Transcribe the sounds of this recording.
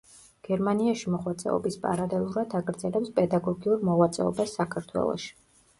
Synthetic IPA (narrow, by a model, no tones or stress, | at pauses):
ɡ̥ɛɾmaniaʃimɔʁwat̪sʼɛ̰ɔ̰bispʼa̰ɾalɛlˠuɾad̪aɡɾd̪zɛlɛpspʼɛd̪aɡɔɡiuɾmɔʁwat̪sʼɛɔ̰basːakʰaɾt̪ʰwɛ̰lˠɔ̰ʃi̥